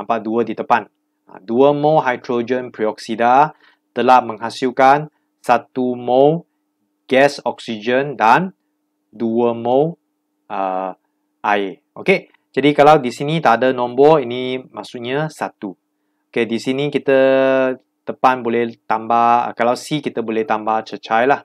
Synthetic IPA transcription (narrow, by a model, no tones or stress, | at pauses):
nampaʔduədit̪əpan | a̰duəmoɦajt̪ɾod͡ʒə̃npɾiɔksida | t̪əlahmə̃ŋɦasilkan | sat̪umo | ɡ̥ɛsɔksid͡ʒəndan | duəmõ | ʔə | ʔaje | ʔoke | d͡ʒadikalawdisinit̪adənɔ̃mbɔinimasuʔɲasat̪u | okedisinikit̪ə | t̪əpanbolɛht̪ambahə̰kalawsikit̪əbolɛht̪ambaht͡ʃət͡ʃajlah